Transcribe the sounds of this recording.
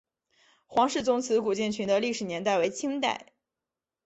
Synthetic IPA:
xwɑ˧˥ŋʂɻ̩˥˩t͡sʊ˥ŋt͡sʰɹ̩˧˥ku˨˩t͡ɕjɛ˥˩nt͡ɕʰy˧˥nd̪ə˧li˥˩ʂɻ̩˨˩njɛ˧˥nt̪a˥˩ɪwe˧˥ɪt͡ɕʰi˥ŋt̪a̰˥˩ɪ

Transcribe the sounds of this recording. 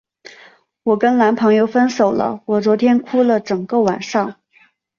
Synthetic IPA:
wɔ˨˩kə˥nla˧˥npʰɤ˧˥ŋjo˥˧ʊfə˥nso˨˩ʊlə̰˦wɔ˨˩t͡swɔ˧˥t̪ʰjɛ˥nkʰu˥lə˨ʈ͡ʂɤ˨˩ŋkə˧wa˨˩nʂɑ˥˩ŋ

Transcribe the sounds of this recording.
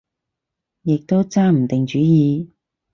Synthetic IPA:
jɪ˨k̚t̪o˥wt͡saː˥m̩˨˩t̪ɪ˨ŋt͡ʃyː˨˥jiː˨˧

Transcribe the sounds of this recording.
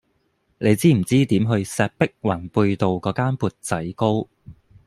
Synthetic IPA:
ne˨˧jt͡siː˥m̩˨˩t͡siː˥t̪iː˨˥mɦɵ˧ɥsɛː˧p̚pɪ˥k̚waː˨˩npuː˧jt̪o˨wkɔː˨˥kaː˥npuː˨˩t̚t͡sɐ˨˥jko˥w

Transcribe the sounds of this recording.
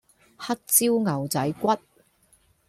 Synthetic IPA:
hɐ˥k̚t͡siː˥wŋɐ˨˩wt͡sɐ˨˥jkʷɐ˥t̚

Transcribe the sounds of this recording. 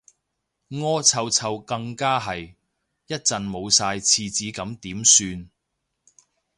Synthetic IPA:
ŋɔː˥t͡sʰɐ˧wt͡sʰɐ˧wkɐ˧ŋkaː˥ɦɐ˨j | jɐ˥t̚t͡sɐ˨nmo˨˧wsaː˧jt͡sʰiː˧t͡siː˨˥kɐ˨˥mt̪iː˨˥msyː˧n

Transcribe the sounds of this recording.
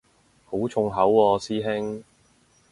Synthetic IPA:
ho˨˥wt͡sʰʊ˨˧ŋɦɐ˨˥wːɔː˧siː˥ɦɪ˥ŋ

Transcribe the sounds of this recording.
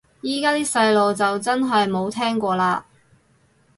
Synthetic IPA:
jiː˨˥kaː˥t̪iː˥sɐ˧jlo˨wt͡sɐ˨wt͡sɐ˥nɦɐ˨jmo˨˧wt̪ʰɛː˥ŋkʷɔː˧laː˧

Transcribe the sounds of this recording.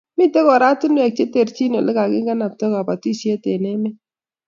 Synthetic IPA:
mi˦te˦kɔ˨ɾa˦tu˦nwɛ˨k̚t͡ʃe˦te˨ɾt͡ʃi˦no˨lɪ˦ka˨kɪ˦ŋɡa˦na˨p̚tɔ˦ka˨pa˨ti˦sje˦te˨nɛ˦mɛ˦

